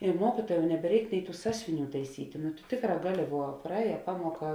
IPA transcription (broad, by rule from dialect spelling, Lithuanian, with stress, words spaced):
ɪ ˈmuɔkʲɪtuɔjɛm nʲɛbʲɛˈrʲɛɪk ˈnʲɛɪ ˈtuː ˈsɑːsʲʊʋʲɪˌnʲuː tɐɪˈsʲiːtʲeː nʊ tʊ ˈtʲeːkˌrɑː ˈɡɑːˌlʲɪ ʋuɔ prɐˈɛːjɛ ˈpɑːmuɔˌkɐ